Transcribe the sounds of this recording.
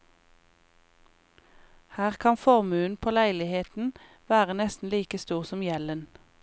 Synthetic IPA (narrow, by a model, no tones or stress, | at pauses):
hæːʁkʰɑnfɔʁmʉːn̩pʰoːlæɪlɪheːt̪n̩ | ʋæːʁənɛst̪n̩liːkəst̪uːʁsɔmjɛlən